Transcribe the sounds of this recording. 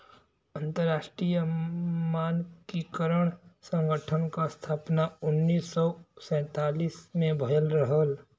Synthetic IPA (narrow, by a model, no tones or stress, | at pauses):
ə̃nt̪əɾːaːʃʈɾijəmaːnkikəɾəɽ̃sə̃ŋɡəʈʰənkast̪ʰaːpnaʊnːiːsːɔsɛ̃ːt̪aːliːsmẽbʱəjəlɾəɦəl